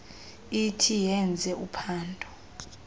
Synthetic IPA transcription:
itʰijɛnd͡zʱɛʔupʰaːndʱɔ̥

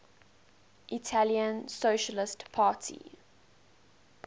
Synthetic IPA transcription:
ʔitʰaliə̃nsoʃəlɪstpʰaːˑtʰḭ

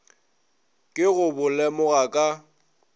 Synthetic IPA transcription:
kʼɪɣʊbʊlɛmʊɣakʼa

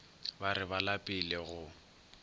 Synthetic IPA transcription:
baɾɪbalapʼɪleɣʊ

